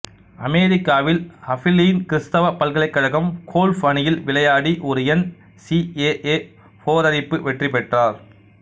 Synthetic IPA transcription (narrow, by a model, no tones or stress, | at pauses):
ɐmeːɾɪkːaːʋɪlɐfɪlːijnkɪɾɯst̪ɐʋɐpɐlɣɐɭɐɪkːɐɻɐɣɐmkʰoːlfɐɳɪjɪlʋɪɭɐjaːɽiʔɔɾɯjɛn | sieːʔeː | foːɾɐɾɪpːɯʋɛʈripɛʈraːɾ